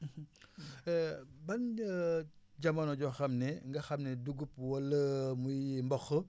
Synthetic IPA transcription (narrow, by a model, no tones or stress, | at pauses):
bɐnə | ɟɐmɐnɔɟɔxɐmnɛŋɡɐxɐmnɛduɡup̚wɐlːəmujimbɔxə